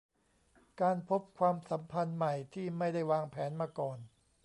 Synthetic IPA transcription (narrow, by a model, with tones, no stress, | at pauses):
kaː˧npʰo˦˥p̚kʰwaː˧msa˩˦mpʰa˧nma˨˩jt̪ʰiː˥˩ma˥˩jda˥˩jwaː˧ŋpʰɛː˩˦nmaː˧kɔː˨˩n